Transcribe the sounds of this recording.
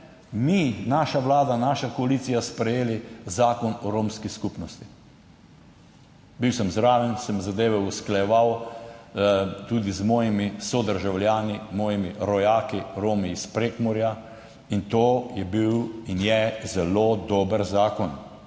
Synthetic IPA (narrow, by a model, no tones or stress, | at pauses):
minaːʃaʋlaːd̪anaːʃakɔaliːt̪sijaspɾɛjeːlizaːkɔnɔɾoːmskiskupnɔst̪i | biwsəmzɾaːʋɛnsəmzad̪eːʋɛusklajɛʋaw | t̪uːd̪izmoːjimisɔd̪əɾʒawljaːnimɔːjimiɾɔjaːkiɾoːmiːspɾeːkmɔɾja | int̪oːjɛbiwinjɛzɛlod̪oːbəɾzaːkɔn